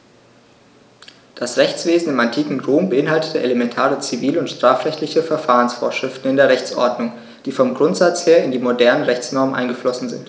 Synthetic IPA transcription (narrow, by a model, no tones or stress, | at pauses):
d̥asʁɛçt͡sv̥eːzn̩ɪmantʰiːkŋ̩ʁoːmbəʔɪnɦaltə̥təʔelemɛntʰaːʁət͡siviːləʊntʃtʁ̥aːfʁɛçtlɪçəfɛɐfaːʁənsfoːɐʃʁ̥ɪftn̩ɪndeːɐʁɛçt͡sʔɔ̰ɐdnʊŋ | d̥iːfɔmɡʁʊntz̥at͡sheːɐɪndiːmodɛɐnənʁɛçt͡snɔɐmənʔa̰ɪnɡəflɔsn̩zɪ̰nt